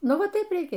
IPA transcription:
ˈnʊ ˈʋɐ ˈtɐɪp rʲɛɪˈkʲeː

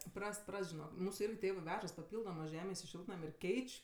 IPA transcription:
ˈprɐst ˈprɐst ʒʲɪˈnoːk ˈmuːsʊ ˈɪrʲɡʲɪ ˈtʲeːʋɜ ˈʋʲæːʒɐs pɐˈpʲiːlˠdoːmɜ ˈʒʲæːmʲeːs ɪ ˈʃʲɪlˠtnɐmʲ ɪr ˈkʲɛɪt͡ʃʲ

